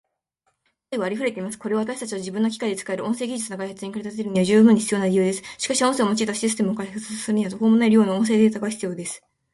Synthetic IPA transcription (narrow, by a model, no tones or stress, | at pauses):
t̪aiβaːɾʲiɸɯɾe̞t̪eimasɨ̥ko̞ɾe̞βaβat̪aɕi̥t̪at͡ɕiβad͡ʑibɯ̟̃nːo̞kʲi̥kaid̪e̞t͡sɨ̥kae̞ɾɯʔõ̞se̞ːɡʲiʑɨ̥t͡sɨnokaihat͡sɨɲ̟ikaɾet̪at̪eeɾɯ̟ɲ̟iad͡ʑɨːbɯ̟ɲ̟ːiçʲi̥t͡sɨjo̞ːnaɾʲijɯ̟ːd̪e̞sɨ̥ɕi̥kaɕiõse̞omo̞t͡ɕiːt̪aɕisɨ̥t̪e̞mɯokaihat͡sɨ̥sɨɾɯ̟ɲ̟iβat̪oko̞ːmo̞naeɾɯ̟jo̞ːnaõ̞s̬e̞ːd̪et̪aɡaçi̥t͡sɨjo̞ːd̪e̞sɨ̥